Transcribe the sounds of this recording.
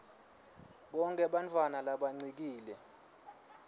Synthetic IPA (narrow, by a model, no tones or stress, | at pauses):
ɓɔŋkʼɛɓant͡fʰʼwanalaɓaŋ͡ǀik̬iːlɛ